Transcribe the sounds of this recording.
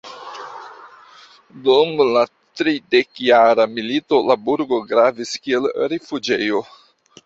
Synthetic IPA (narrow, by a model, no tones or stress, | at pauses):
dumla | tɾide̞kjaɾamilito̞labuɾɡo̞ɡɾaviskie̞lɾefud͡ʒe̞jo